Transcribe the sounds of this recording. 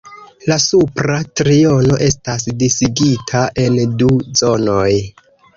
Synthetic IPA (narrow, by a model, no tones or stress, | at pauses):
lasupɾatɾiono̞ʔe̞stas̬disiɡitʰaʔe̞nduzo̞noj